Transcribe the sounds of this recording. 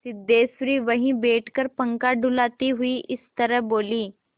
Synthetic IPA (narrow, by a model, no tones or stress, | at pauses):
sid̪eːsɾiːʋəɦĩbeːʈʰkəɾpəŋkaɖʱulat̪iɦuiːʔɪst̪əɾəboːliː